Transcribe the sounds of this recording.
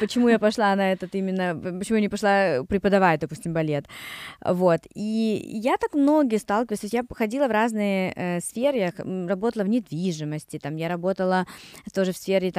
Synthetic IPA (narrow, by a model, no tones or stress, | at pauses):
pət͡ɕɪmujapɐʂlˠanɐɛt̪ət̪imʲɪnːəpət͡ɕɪmujanʲɪpɐʂlˠapɾʲɪpəd̪ɐvad̪ɐpu̥sʲtʲɪmbɐlʲe̞t̪vo̞t̪ijat̪akmno̞ɡʲɪjəst̪alˠkʲɪvəlʲˠsʲot̪jaxɐdʲilˠəvraznɨjəʔəsfʲeɾjxrɐbo̞t̪əlˠəvnʲɪd̪vʲiʐɨməsʲtʲɪt̪amjaɾɐbo̞t̪əlˠət̪o̞ʐɨfsfʲeɾʲɪt̪